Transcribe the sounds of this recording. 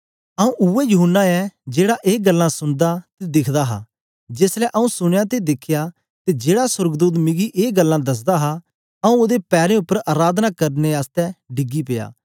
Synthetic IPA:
ɐũʔʊɛjʊɦʊnːaɛd͡ʒeːɽaʔeːɡɐlːãsʊnd̪at̪ed̪ɪkʰd̪aɦa̰ː | d͡ʒɪslɛʔɐũsʊɽ̃jat̪ed̪ɪkʰːja | t̪ed͡ʒeːɽasʊɾɡd̪uːt̪̬mɪ̃ɡiʔeːɡəlːãd̪ɐs̬d̪aɦa | ɐũoːd̪epɛːɾẽʊpːəɾaːɾaːd̪nakɐɾneaːst̪ɛɖɪɡipɪja̰ː

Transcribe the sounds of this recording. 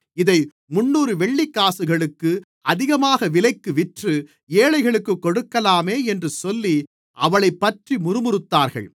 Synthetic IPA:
ɪðɐɪ | mʊnːuːɾɯʋɛɭːikːaːsɯɣɐɭɯkːɯ | ɐðɪɣɐmaːɣɐʋɪlɐɪkːɯʋɪʈrɯ | eːɭɐɪɣɐɭɯkːɯkːɔɽɯkːɐlaːmeːɛndrɯsɔlːi | ʔɐʋɐɭɐɪpːɐʈrimʊɾɯmʊɾɯt̪ːaːɾɣɐ̰ɭ

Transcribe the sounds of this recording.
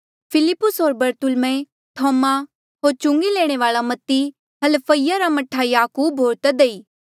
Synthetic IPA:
pʰɪlɪpːʊsɦoːɾbɐɾt̪ʊlmẽ | t̪ʰɔːma | ɦoːɾt͡ʃʊ̃ŋɡileːɽ̃eʋaːɭamɐt̪ːi | ɦɐlpʰəijaɾamɐʈʰːajaːkuːbʱɦoːɾt̪ɐd̪eiː

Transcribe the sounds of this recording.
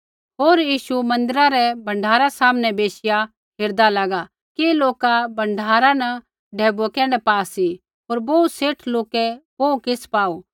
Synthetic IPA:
ɦoːɾjiːʃumɐ̃nd̪əɾaɾɛbɐ̃ɳɖʱaːɾasaːmnɛbeːsɪja | ɦeːɾd̪alaːɡa | keloːkabɐ̃ɳɖʱaːɾanɐ | ɖʱɛːbkɛːɽ̃ɛpaːsi | ɦoːɾboːuseːʈʰloːkɛboːukɪspaːoː

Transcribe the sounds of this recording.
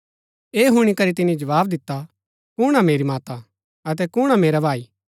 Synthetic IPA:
eːɦʊɽ̃ikɐɾit̪ɪnid͡ʒɐʋaːbd̪ɪt̪ːa | kʊɽ̃ameːɾimaːt̪a | ɐt̪̬ɛkʊːɽ̃ameːɾabʱaːi

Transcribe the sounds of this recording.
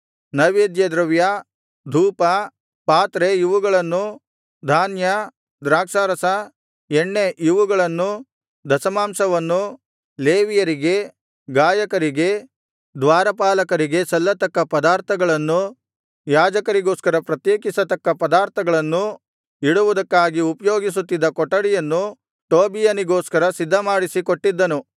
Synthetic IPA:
nɐʋeːd̪jɐd̪ɾɐʋja | d̪ʱuːpɐ | paːt̪ɾejuʋuɡɐɭɐnːu | d̪ʱaːnjɐ | d̪ɾaːkʂaːɾɐsɐ | eɳːe̞ʔjuʋuɡɐɭɐnːu | d̪ɐsɐmaːmsɐʋɐnːu | leːʋijɐɾiɡe̞ | ɡaːjɐkɐɾiɡe̞ | d̪ʋaːɾɐpaːlɐkɐɾiɡe̞sɐlːɐt̪ɐkːɐpɐd̪aːɾt̪ʰɐɡɐɭɐnːu | jaːd͡ʒɐkɐɾiɡoːskɐɾɐpɾɐt̪jeːkisɐt̪ɐkːɐpɐd̪aːɾt̪ʰɐɡɐɭɐnːu | iɽuʋud̪ɐkːaːɡiupɐjoːɡis̬ut̪ːid̪ːɐkɔʈːɐɽijɐnːu | ʈoːbijɐniɡoːskɐɾɐsid̪ʱːɐmaːɽisikoʈːid̪ːɐnu

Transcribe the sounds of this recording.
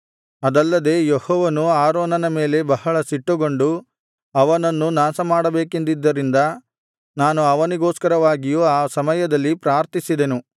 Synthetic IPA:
ɐd̪ɐlːɐd̪e̞ːjehɔːʋɐnuaːɾoːnɐnɐme̞ːle̞bɐɦɐɭɐsiʈːuɡo̞ɳɖu | ɐʋɐnɐnːunaːsɐmaːɽɐbe̞ːkend̪id̪ːɐɾind̪ɐ | naːnuɐʋɐniɡɔːskɐɾɐʋaːɡijuaːsɐmɐjɐd̪ɐlːipɾaːɾt̪isid̪e̞nu

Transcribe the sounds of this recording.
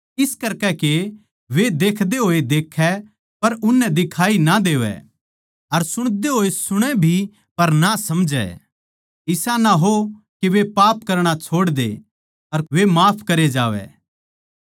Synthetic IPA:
ɪskɐɾkɛke | ʋed̪eːkʰd̪eɦoːed̪eːkʰɛ | pɐɾʊnːɛd̪ɪkʰaːinad̪eːʋɛ̰ | ɐɾsʊɽ̃d̪eɦoːesʊɽ̃ɛbʱi | pɐɾnasɐmd͡ʒɛ̰ | ɪsanaɦo | keʋepaːpkɐɾɽ̃at͡ʃʰoːɽd̪ḛ | ɐɾʋemaːpʰkɐɾed͡ʒaːʋɛ̰ː

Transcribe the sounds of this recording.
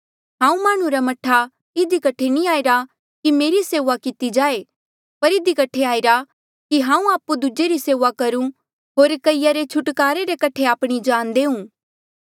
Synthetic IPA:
ɦãːũmaːɽ̃ũɾamɐʈʰa | ɪd̪ikɐʈʰenĩaːɪɾa | kimeːɾiseːʋakɪt̪id͡ʒaːe | pɐɾɪd̪ikɐʈʰeaːɪɾa | kiɦãːũaːpud̪ʊd͡ʒeɾiseːʋakɐɾũ | ɦoːɾkɐɪjaɾet͡ʃʰʊʈkaːɾeɾekɐʈʰeaːpɽ̃id͡ʒaːnd̪eːũː

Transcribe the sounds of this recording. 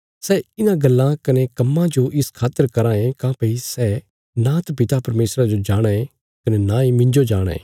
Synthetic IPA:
sɛɪnãɡɐlːãkɐnekɐmːãd͡ʒoʔɪskʰaːt̪əɾkɐɾãːẽkãːpɐisɛː | nãt̪ɐpɪt̪apɐɾmeːsɾad͡ʒod͡ʒaːɽ̃aẽ | kɐnenãːẽmɪ̃ɲd͡ʒod͡ʒaːɽ̃ḛ̃ː

